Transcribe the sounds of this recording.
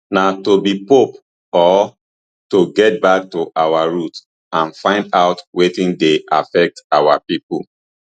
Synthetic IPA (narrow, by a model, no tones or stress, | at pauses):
natobipop | ɔ | toɡɛt̚bak̚tuʔawaɹut | ãnfãɪ̃ndaʊtwetĩndeʔa̰fɛk̚tawapipṵl